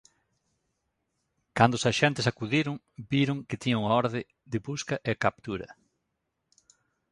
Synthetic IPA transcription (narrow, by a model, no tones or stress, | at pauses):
kand̪oʊsaʃɛnt̪ɪsakuðiɾʊŋ | biɾʊŋkɪt̪iɲoŋaɔɾðɪ | d̪ɪbuskɐʔekap̚t̪uɾɐ̰